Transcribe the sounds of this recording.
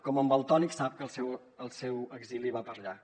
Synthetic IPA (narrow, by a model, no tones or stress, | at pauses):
kɔməmbəlˠt̪ɔniksap̚kəlˠsɛw | əlˠsɛwəɡziliβapəɾʎa